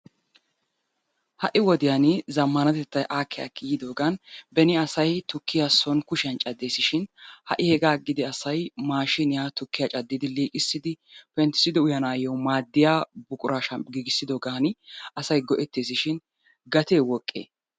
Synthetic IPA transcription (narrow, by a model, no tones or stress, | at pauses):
hɐʔɪwɔd̪ɪjanɪzɐmːɐnɐt̪ɛt̪ːɐjʔaːkːɛjɐ̰kːɪjɪd̪o̞ːɡɐnbɛnɪɐsɐjt̪ʊkːɪjasɔnkʊʃɪɐnt͡ʃʼɐd̪ːe̞ːsɪʃɪnhɐ̰ʔɪhɛɡaːɡɪd̪ɪɐsɐjmaːʃɪnɪjat̪ʊkːɪjat͡ʃʼɐd̪ːɪd̪ɪliːkʼɪsːɪd̪ɪpɛnt̪ɪ̥sɪd̪ɪʊjɐnaːjɔwmaːd̪ːɪjaːbʊkʼʊɾaːʃɐɡiːɡɪsːɪd̪o̞ːɡaːnɪɐsɐjɡɔʔɛt̪ːeːs̬ɪʃɪn | ɡɐt̪eːwɔkʼːḛː